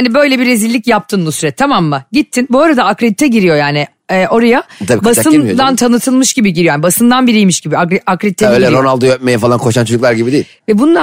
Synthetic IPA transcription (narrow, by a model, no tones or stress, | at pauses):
hanibø̞jlʲɛbiɾezilʲːicjap̚t̪ʰɯːnb̪ˠusyɾɛt̪ʰamamːaɟit̪ʰːinboːɾad̪aakɾed̪it̪ʰɛɟiɾijo̞jaːnɪ | ɛːʔo̞ɾajat̪ʰabiːbasaɯd̪ant̪ʰanɯt̪ʰɯlˠmɯʃɟibiɟiɾijojanibasɯnd̪anbiɾijmiʃɟibiakɾakɾed̪it̪ʰɛøjlʲɛonalˠd̪ɯjøp̚mejɛfalˠankʰo̞ʃant͡ʃʰod͡ʒuklˠaɾɟibid̪eilʲvɛbunlˠa